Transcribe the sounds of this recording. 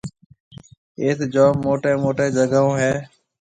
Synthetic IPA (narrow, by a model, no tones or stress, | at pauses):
eːt̪d͡ʒoːmːoːʈeːmoːʈeːd͡ʒəɡaõːɦɛː